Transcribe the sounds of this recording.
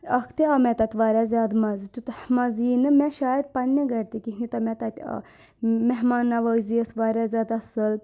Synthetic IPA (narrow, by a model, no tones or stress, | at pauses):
ɐkʰt̪eɐmɛt̪ɐt̪ʲʋaːɾʲazʲjaːd̪mɐzt̪ut̪hmɐziːnɨmẽʃaːjəd̪̚pɐnʲːɐɡɐɾʲt̪ikiɦnit̪ɐmɛt̪ɐt̪ʲː | meɦmaːnːɐʋəziəsʋaːɾʲazʲjaːd̪asɨl